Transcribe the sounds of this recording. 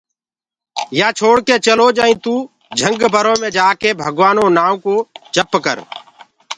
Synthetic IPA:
jaːt͡ʃʰoːɽkeːt͡ʃəloːd͡ʒəːĩːt̪uː | d͡ʒʱə̃ŋɡbʱəɾõːmẽːd͡ʒaːkeːbʱəɡʋaːnõːnaːũkoːd͡ʒʰʱəpkə̰ɾ

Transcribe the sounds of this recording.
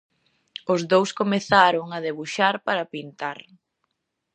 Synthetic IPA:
ʊzðowskomeθaɾʊŋaðeβuʃaɾpaɾɐpint̪aɾ

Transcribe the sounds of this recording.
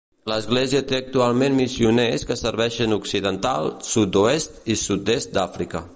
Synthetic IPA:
ləzɣleziət̪eək̚t̪ualˠmenmisiuneskəsəɾβɛʃənuksiðənt̪a̰lˠsut̪̚d̪uest̪isut̪̚est̪̚d̪afɾikə

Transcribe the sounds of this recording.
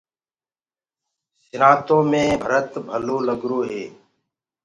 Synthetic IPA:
sɪnãːt̪õːmẽːbʱəɾət̪bʱəloːləɡɾoːɦeː

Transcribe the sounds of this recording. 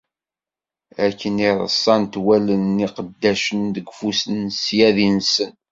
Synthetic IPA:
ækːəniɾˤə̰sˤːɑnt̪wælənːiqəd̪ːæʃənðəɡfusənsjæðinsən

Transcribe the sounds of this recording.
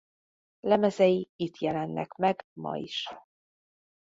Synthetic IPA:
lɛmɛzɛjiit̪jɛlɛnːɛ̰kmɛɡmɒ̰ḭʃ

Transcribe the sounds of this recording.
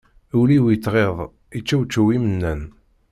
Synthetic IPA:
uliwit͡s̪ːʁeðˤ | it͡ʃːæwt͡ʃːæwimənːæn

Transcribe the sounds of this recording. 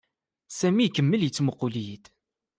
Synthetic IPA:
sæmikːəmːəljət͡sːməqːʊlijəd̪

